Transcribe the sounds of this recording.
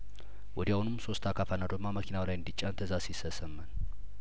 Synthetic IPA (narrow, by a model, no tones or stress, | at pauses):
wɔd̪iaunɨmso̞st̪ʰakʰafanad̪əmːaməkʰinawlajɨnd̪it͡ʃʼːant̪ʰəzasisəsəmːən